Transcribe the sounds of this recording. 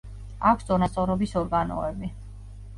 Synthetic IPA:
akʷʰst̪ʼɔnast̪sʼɔɾɔbisɔɾɡanɔ̰ɛbi

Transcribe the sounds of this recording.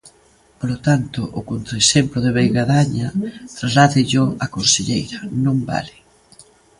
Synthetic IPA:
polot̪ant̪ʊʔːkont̪ɾaesemploðeβejɣaðaɲat̪razlat̪ɪʎoakonseʎejɾɐnõmba̰lɪ

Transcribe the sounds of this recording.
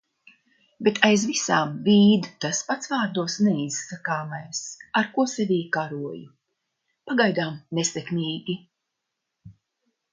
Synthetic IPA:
bet̪ʰajzvisaːmviːd̪t̪aspat̪svaːɾd̪uɔsnɛisːakaːmajsaɾkuɔsɛvʲiːkaɾuɔju | paɡajd̪aːmnesekmʲiːɡʲi

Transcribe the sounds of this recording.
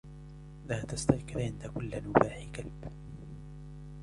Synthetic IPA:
laːt̪ast̪aʔqɪɾʕɪnd̪akʊlːnʊbaːħɪkalb̥

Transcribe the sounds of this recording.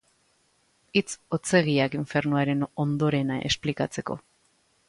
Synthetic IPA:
it͡so̞t͡se̞ɣ̞iakiɱfe̞ɾnuaɾe̞no̞nd̪o̞ɾe̞naʔe̞̰splikat͡se̞ko̞̰

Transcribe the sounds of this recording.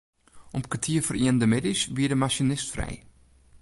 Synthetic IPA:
ʔɔmkətʰiəfəriəndəmɪdisʋiədəmasjonɪstfrɛ̰j

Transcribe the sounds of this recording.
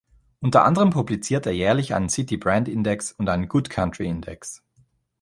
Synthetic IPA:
ʔʊntɐʔa̰ndəʁəmpʰublit͡siːɐteːɐjɛːɐlɪçʔa̰ɪnənsɪtibʁɛntʔɪndɛksʊntʔaɪnənɡʊtkʰantʁ̥iɪndɛks

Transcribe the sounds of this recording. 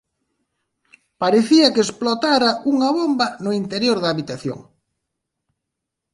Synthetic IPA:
paɾeθiɐkesplot̪aɾaʔuŋɐβombɐnʊint̪eɾjoɾðɐːβit̪aθjo̰ŋ

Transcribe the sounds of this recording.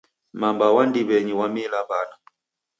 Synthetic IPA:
mambawandiβɛɲiwamilabana

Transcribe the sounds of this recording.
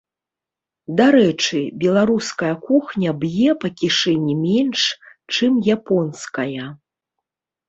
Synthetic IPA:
d̪aɾɛt͡ʂɨbʲɛlˠaɾuskɐjɐkuxnʲɐbjɛpɐkʲiʂɛnʲimʲɛnʂt͡ʂɨmjapɔnskɐjɐ

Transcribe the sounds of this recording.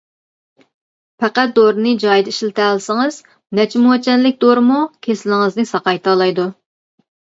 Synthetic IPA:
pʰæqæt̪̚d̪oɾɨnɨd͡ʒɑjd̪ɪiʃlɪt̪ʰælɪsɪŋɨz̥ | nɛt͡ʃʰimuɛt͡ʃʰɛnlɪk̚ʲd̪oɾɨmukʲʰesɪlɪŋɨznɨsɑqɑjt̪ʰɑːlˠɑjd̪u

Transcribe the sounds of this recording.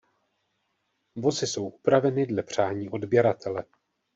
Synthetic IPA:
vo̞zɪso̞wʔupɾavɛnɪdlɛpr̝̥aːɲiːʔo̞dbjɛɾat̪ʰɛlɛ

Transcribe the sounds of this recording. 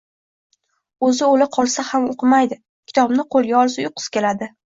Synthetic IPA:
ɵzɪolɪqʰɒlˠsahamoqʰɨmajd̪ɪ | kʲʰɪ̥t̪ʰɒbnɪqʰolˠɡʲaɒlˠsʊjʊqʰɨ̥skʲʰe̞lad̪ɪ

